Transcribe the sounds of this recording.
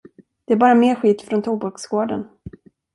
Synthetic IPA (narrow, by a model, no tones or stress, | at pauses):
d̪̥ɛæɾbɑːɾameːɾɧiːt̪fɾɔnt̪ʰuːbɔlksɡoːɖə̰n